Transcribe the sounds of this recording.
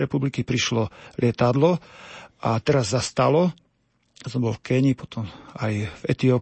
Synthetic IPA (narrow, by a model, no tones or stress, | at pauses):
ɾɛpublikipɾiʃlɔlɪɛt̪ad̪lɔʔat̪ɛɾazːast̪alɔ | sɔmbɔlfkɛɲipɔt̪ɔmajvɛt̪iɔ